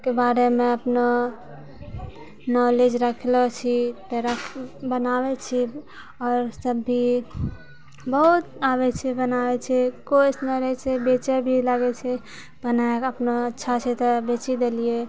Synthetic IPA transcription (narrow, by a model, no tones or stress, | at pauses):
kebaɾemẽəpno | nɔled͡ʒɾəkʰlɔt͡ʃʰit̪əɾəkʰbənawet͡ʃʰi | ɔːɾsəbːi | bəɦut̪abɛt͡ʃʰɛbənawɛt͡ʃʰɛkosnaɾət͡ʃʰɛbet͡ʃəbʱilaɡɛt͡ʃʰɛ | bənaeəpnoətːʃʰat͡ʃʰɛt̪ɔbet͡ʃid̪elie